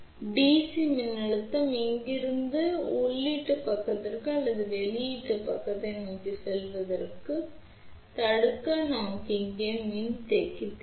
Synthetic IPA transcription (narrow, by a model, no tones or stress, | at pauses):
biːsimɪnːɐɭɯt̪ːɐmɪŋɡɪɾɯnd̪ɯʊɭːiʈːɯpɐkːɐt̪ːɐɾkɯɐlːɐðɯʋɛɭɪiʈːɯpɐkːɐt̪ːɐnɐɐkːisɛlʋɐðɐɾkːɯ | t̪ɐɽɯkːɐnaːkɪŋɡemɪnt̪ɛkːɪt̪ːɯ